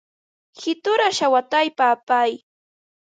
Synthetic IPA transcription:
hɪt̪ʊɾaʃawat̪ajpaːpaj

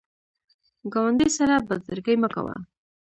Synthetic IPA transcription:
ɡawand̪ijsaɾabad̪zəɾɡajməka̰wa̰

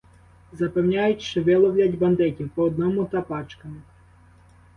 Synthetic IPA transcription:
zɐpewnʲajʊtʲʃeʋɪlˠɔwlʲadʲbɐnd̪ɪtʲiwpɔːd̪nɔmʊt̪ɐpɑt͡ʃkɐmɪ

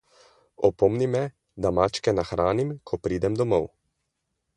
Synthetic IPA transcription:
ɔpɔmnimɛ | d̪amat͡ʃkɛnaxɾaːnimkʰɔpɾiːd̪ɛmd̪ɔmɔw

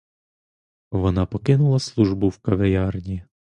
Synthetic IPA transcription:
ʋɔnɑpɔkɪnʊlˠɐslˠuʒbʊwkɐʋejɑrnʲi

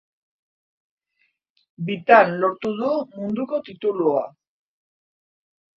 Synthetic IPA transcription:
bit̪anlo̞ɾt̪uðumund̪uko̞t̪it̪ulua̰

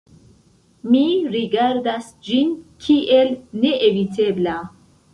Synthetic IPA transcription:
miɾiɡaɾdas | d͡ʒinkʰiʔe̞lne̞ʔevite̞bla

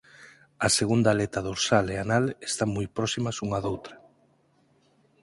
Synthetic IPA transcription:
ɐseɣund̪alet̪ɐðuɾsaleanalest̪aŋmujpɾɔsimɐsuŋɐðowt̪ɾɐ̥

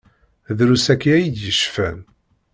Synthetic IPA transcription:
ðɾusækːiæjid̪jəʃfæn

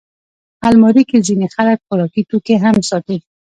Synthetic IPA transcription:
halmɔɾikizinixaɾak̪̚kʊɾɔkit̪ukeɦamsɔt̪i

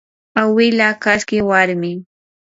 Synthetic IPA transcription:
awɪlakaskɪwaɾmɪ

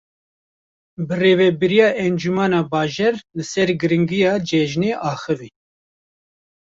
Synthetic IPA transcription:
bɨreːvɛbɨɾijɑːʔɛnd͡ʒumɑːnɑːbɑːʒɛɾlɨsɛɾɡɨɾɨŋɡɨjɑːd͡ʒɛʒneːʔɑːxɨviː

